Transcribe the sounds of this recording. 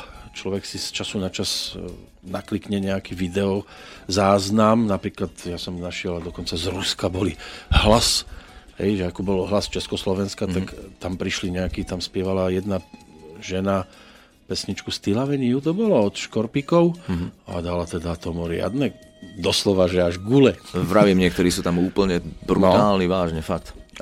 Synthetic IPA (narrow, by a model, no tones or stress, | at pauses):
t͡ʃlɔʋɛksist͡ʃasunat͡ʃas | naklikɲɛɲɛakiʋid̪ɛɔ | zaːznamnapɾiːklat̪jasɔmnaʃɪɛlad̪ɔkɔnt͡sazɾuskabɔliɦlashɛ̰jʒɛakɔbɔlɦlast͡ʃɛskɔslɔʋɛnskat̪akt̪ampɾiʃliɲɛakit̪amspɪɛʋalajɛd̪na | ʒɛna | pɛsɲit͡ʃkust̪ilaʋɛɲiut̪̬ɔbɔlɔɔt̪ʃkɔɾpikɔʊa̰d̪alat̪ɛd̪at̪ɔmuɾɪa̰d̪nɛ | d̪ɔslɔʋaʒɛaʒɡulɛʋɾaʋimɲɪɛk̚t̪ɔɾiːsuːt̪amuːpl̩ɲɛbɾuat̪aːlniʋaːʒɲɛfak̚t̪